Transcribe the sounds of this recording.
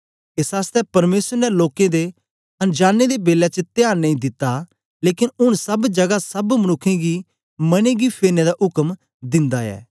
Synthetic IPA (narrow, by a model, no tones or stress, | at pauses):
eːsaːst̪ɛpɐɾmeːsəɾnɛloːkẽd̪e | ɐnd͡ʒaːnːed̪ebeːlɛt͡ʃət̪ɪjaːɾnɐ̃ĩd̪ɪt̪ːa | leːkɪnʊɽ̃sɐbd͡ʒɐɡasɐbmɐnʊkʰːẽɡi | mɐñeɡipʰeːɾned̪aʔʊkəm | d̪ɪ̃nd̪aɛ̰ː